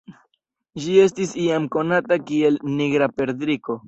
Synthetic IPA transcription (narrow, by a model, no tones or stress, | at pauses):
d͡ʒie̞s̬tisiamko̞natakie̞lniɡɾape̞ɾd̪ɾiko̞